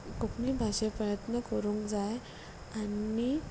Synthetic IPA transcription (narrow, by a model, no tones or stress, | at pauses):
kokniːbʱaɕepɾəjət̪nəkəɾũːŋkd͡zaj | ai